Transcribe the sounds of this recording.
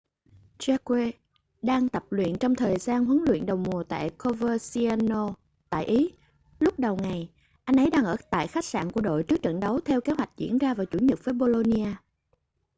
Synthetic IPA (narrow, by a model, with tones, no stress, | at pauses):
t͡ɕa˧kwe˧ | ɗaː˧ŋt̪ə˨˩p̚lwḭ˧˨ənt͡ɕɔ˧wŋ͡mt̪ʰəː˨˩jzaː˧nɦɨ˨˦nlwḭ˧˨ənɗə˨˩wmu˨˩ət̪a̰ː˧˨jko˧vəː˧si˧a˧no˧ | t̪a̰ː˧˨jʔi˨˦ | lʊ˦˥k͡p̚ɗə˨˩wŋa˨˩j | ʔa˧jŋ̟ʔə˨˦jɗaː˧ŋʔəː˧˩t̪a̰ː˧˨jxa˦˥k̚sa̰ː˧˨nku˧˩əɗo̰˧˨jt͡ɕɨ˦˥k̚t͡ɕə̰˧˨nɗə˨˦wt̪ʰɛ˧wke˨˦ɦwa˨˩jk̟̚zḭ˧˩˥ənzaː˧vaː˨˩wt͡ɕu˧˩ɲə˨˩p̚vəː˨˦ɓo˧lo˧ni˧aː˧